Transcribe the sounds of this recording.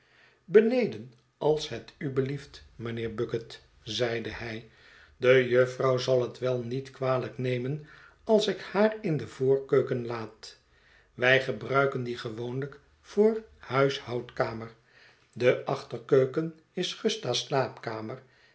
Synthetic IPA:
bənejdən | ʔɑlˠsɦətybəliftmənɪːɹbɵkət | zɛjdəhɛj | dəjøfrɑwzɑlˠɦətʋɛlˠnitkʋaːləknejmən | ɑlˠsɪkhaːrɪndəvʊːɹkøɥkənlaːt | ʋɛjχəbrœɥkəndiχəʋownlək | fʊːrhœɥshɑwtkaːməɹ | dəʔɑχtəɹkøɥkən | ɪsχəstaslaːpkaːməɹ

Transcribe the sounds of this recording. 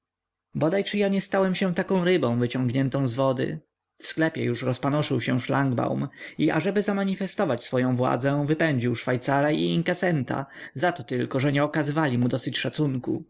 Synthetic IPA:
bɔd̪ajt͡ʂɘjaɲɛst̪awɛmɕɛ̃t̪akɔ̃w̃ɾɘbɔ̃w̃vɘt͡ɕɔ̃ŋɡɲɛnt̪ɔ̃w̃zvɔd̪ɘ̰ | fsklɛpʲjɛ̰juʂɾɔspanɔʂɘwɕɛ̃ʂlaŋɡba̰wmiʔa̰ʐɛbɘzamaɲifɛst̪ɔvat͡ɕsfɔjɔ̃w̃vwa̰d̪zɛ̃vɘpɛɲd͡ʑiwʂfajt̪saɾaiiŋkasɛnt̪a̰zat̪ɔt̪ɘlkɔʐɛɲɛɔkazɘvalʲimud̪ɔsɘt͡ɕʂat̪suŋkṵ

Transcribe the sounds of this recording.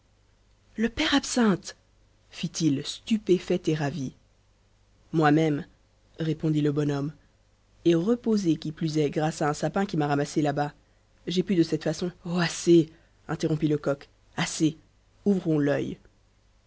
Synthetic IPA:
ləpɛʁapsɛ̃t̪ | fit̪ilst̪ypefɛt̪eʁavi | mwamɛm | ʁepɔ̃d̪iləbɔnɔm | eʁəpozekʲiplyzɛɡʁasaɛ̃sapɛ̃kʲimaʁamaselaba | ʒepyd̪əsɛt̪fasɔ̃oase | ɛ̃t̪eʁɔ̃piləkɔk | ase | uvʁɔ̃lœ̰j

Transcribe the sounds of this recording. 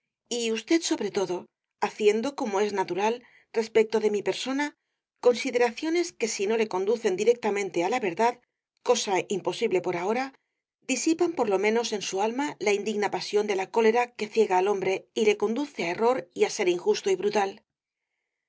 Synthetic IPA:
iust̪e̞ðso̞βɾe̞t̪o̞ðo̞ | aθje̞nd̪o̞ko̞mo̞e̞znat̪uɾal | re̞spe̞k̚t̪o̞ðe̞mipe̞ɾso̞na | ko̞nsiðe̞ɾaθjo̞ne̞ske̞sino̞le̞ko̞nd̪uθe̞nd̪iɾe̞k̚t̪amẽ̞nt̪e̞alaβe̞ɾðað | ko̞saimpo̞siβle̞po̞ɾao̞ɾa | d̪isipampo̞ɾlo̞mẽ̞no̞se̞nsualmalaind̪iɣnapasjo̞nd̪e̞lako̞le̞ɾake̞θje̞ɣaːlo̞mbɾe̞ile̞ko̞nd̪uθe̞ae̞ro̞ɾiase̞ɾiŋxust̪o̞iβɾut̪al

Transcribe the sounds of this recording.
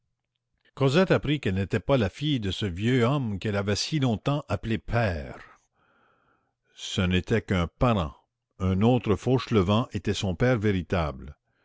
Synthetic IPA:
kozɛt̪apʁikɛlnet̪ɛpalafijd̪əsəvjøɔmkɛlavɛsilɔ̃t̪ɑ̃ʔaplepʰɛːʁ | sənet̪ɛkɛ̃paʁɑ̰̃ | ɛ̃noːt̪ɾəfoʃləvɑ̃ʔet̪ɛsɔ̃pɛːʁveʁit̪abl

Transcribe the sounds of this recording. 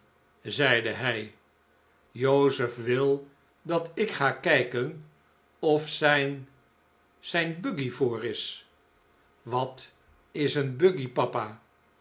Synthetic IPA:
zɛjdəɦɛj | jowzəfʋɪlˠ | dɑtɪkχaːkɛjkən | ɔfsɛn | sɛjnbøɡivʊːrɪs | ʋɑt | ɪsənbɵɡipɑpaː

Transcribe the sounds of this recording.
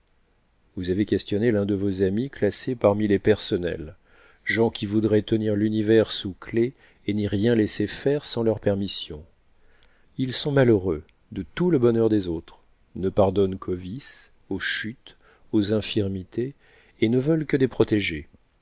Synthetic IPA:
vuzavekʲɛst̪jɔnelɛ̃d̪əvozamiklasepaʁmilepɛʁsɔnɛ̰l | ʒɑ̃kʲʰivud̪ʁɛt̪əniʁlynivɛʁsukle | eniʁjɛ̃lesefɛʁsɑ̃lœʁpɛʁmisjɔ̃ | ilsɔ̃maløʁø | d̪ət̪uləbɔnœʁd̪ezot̪χ | nəpaʁd̪ɔnkʰovis | oʃyt̪ | ozɛ̃fiʁmit̪ʰeː | nəvœlkəd̪epχɔt̪eʒe

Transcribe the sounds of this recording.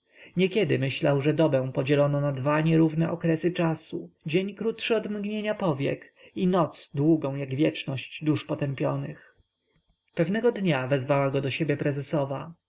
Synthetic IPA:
ɲɛkʲjɛd̪ɘmɘɕlawʐɛd̪ɔbɛ̃pɔd͡ʑɛlɔnɔnad̪vaɲɛɾuvnɛʔɔkɾɛsɘt͡ʂasud͡ʑeɲkɾut̪ʂɛɔd̪mɡɲeɲapɔvʲjɛ̰kinɔt̪sd̪wuɡɔ̃w̃jaɡvʲjɛt͡ʂnɔɕd͡ʑd̪uʂpɔt̪ɛmpʲjɔnɘx | pɛvnɛɡɔd̪ɲavɛzvawaɡɔd̪ɔɕebʲjɛpɾɛzɛsɔva

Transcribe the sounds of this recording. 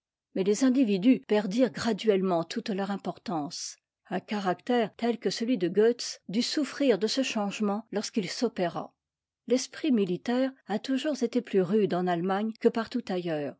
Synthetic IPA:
mɛlezɛ̃d̪ivid̪ypɛʁd̪iʁɡʁad̪ɥɛlmɑ̃t̪ʰut̪lœʁɛ̃pɔʁt̪ɑ̃ːs | ɛ̃kaʁakt̪ɛːʁt̪ɛlkəsəlɥid̪əɡøt̪sd̪ysufχiʁd̪əsəʃɑ̃ʒmɑ̃lɔʁskilsɔpeʁa̰ | lɛspχimilit̪ɛːʁat̪uʒuʁzet̪eplyʁyd̪ɑ̃nalmaɲkəpaʁt̪ut̪ajœːʁ

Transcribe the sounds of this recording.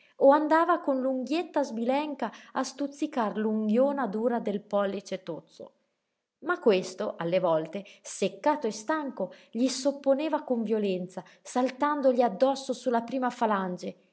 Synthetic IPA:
oand̪aːvakonluŋɡjet̪ːazbilɛŋkaːst̪ut̪sːikarluŋɡjoːnad̪uːɾad̪elpɔlːit͡ʃet̪ot̪sːo̰ | makːwest̪oʔalːevɔlt̪esekːaːt̪oest̪aŋkoʎisopːoneːvakoɱvjolɛnt̪sasalt̪and̪oʎiad̪ːɔsːosulːapɾiːmafaland͡ʒe

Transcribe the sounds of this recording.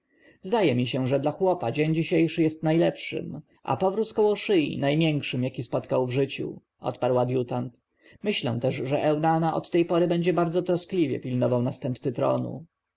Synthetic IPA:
zd̪ajɛmʲiɕɛʐɛd̪laxwɔpad͡ʑeɲd͡ʑiɕejʂɘjɛst̪najlɛpʂɘ̰m | ʔa̰pɔvɾuskɔwɔʂɘjḭnajmʲjɛŋkʂɘmjakʲispɔt̪kawvʐɘt͡ɕṵ | ʔɔ̰t̪paɾwad̪jut̪ant̪ | mɘɕlɛ̰w̃t̪ɛʂʐɛʔɛwnanaʔɔ̰t̪ːɛjpɔɾɘbɛɲd͡ʑɛbaɾd̪zɔt̪ɾɔsklʲivʲjɛ̰pʲilnɔvawnast̪ɛmp̚t̪sɘt̪ɾɔ̰nṵ

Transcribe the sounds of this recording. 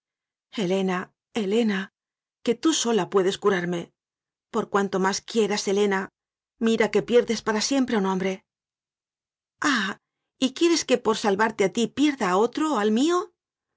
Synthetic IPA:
e̞le̞na | e̞le̞na | ke̞t̪uso̞lapwe̞ðe̞skuɾaɾme̞ | po̞ɾkwant̪o̞maskje̞ɾase̞le̞na | miɾake̞pje̞ɾðe̞spaɾasje̞mpɾe̞unõmbɾe̞ | a | ikje̞ɾe̞ske̞po̞ɾsalβaɾt̪e̞at̪ipje̞ɾðao̞t̪ɾo̞almio̞

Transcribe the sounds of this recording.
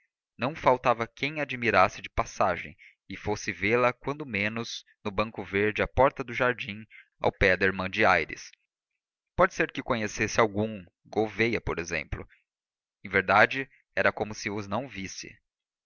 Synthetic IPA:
nɐ̃w̃fawt̪avɐkẽj̃ad͡ʒimiɾasɪd͡ʒɪpasaʒḛ̃j̃ | ɪfosɪvelɐkwɐ̃nd̪ʊmẽnʊz̥ | nʊbɐ̃ŋkʊveɾd͡ʒɪɐpɔɾt̪ɐd̪ʊʒaɾd͡ʒĩa̰wpɛd̪ɐeɾmɐ̃d͡ʒɪajɾɪ̰s | pɔd͡ʒɪseɾkɪkõɲesesɪawɡũŋ | ɡovejɐpoɾezḛ̃mplʊ̰ | ẽveɾd̪ad͡ʒɪ | ɛɾɐkõmʊsɪvʊznɐ̃w̃visɪ̰

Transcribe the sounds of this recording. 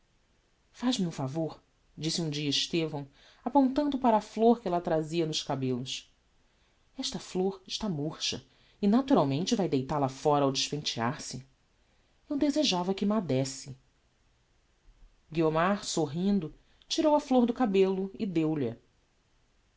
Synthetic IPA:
faʒmɪũfavoɾ | d͡ʒisɪũd͡ʒiɐiʃt̪evɐ̃w̃ | apõnt̪ɐ̃nd̪ʊpaɾɐːfloɾkɪɛlɐt̪ɾaziɐnʊʃkabelʊs | ɛʃt̪ɐfloɾɪʃt̪amoɾʃɐ̰ | ɪnat̪uɾawmẽnt͡ʃɪvajd̪ejt̪alɐfɔɾɐawd͡ʒɪʃpẽnt͡ʃia̰ɾsɪ | ewd̪ezeʒavɐkɪmad̪ɛsɪ | ɡiomaɾsoɦĩnd̪ʊ | t͡ʃiɾowɐfloɾd̪ʊkabelʊɪd̪ewʎɐ

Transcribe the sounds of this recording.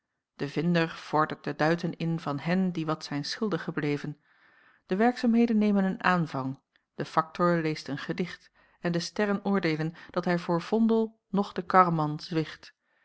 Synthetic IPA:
d̥əvɪndəɹv̥ɔɹdəɹt̚d̥ədœɥtənɪnvɑnɦɛndiʋɑtsɛjnsχɪlˠdəχəblejvən | d̥əʋɛɹksaːmɦejdənːejmənənʔaːnvɑŋ | d̥əfɑk̚tʊɹlejstənχədɪχt | ɛndəstɛrənʊːɹdeːlənd̥ɑtɦɛjvʊːɹv̥ɔndəlˠ | nɔχd̥əkɑrmɑnzʋɪχt

